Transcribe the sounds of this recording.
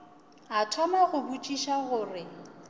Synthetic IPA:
atʰwamaɣʊbut͡ʃʼiʃaɣʊːrɪ

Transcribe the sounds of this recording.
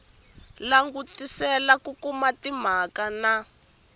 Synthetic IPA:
laŋɡutisɛlakukumatim̤akana

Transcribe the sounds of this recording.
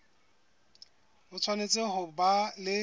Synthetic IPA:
bʊt͡sʰwanet͡sʼɪɦʊbalɪ

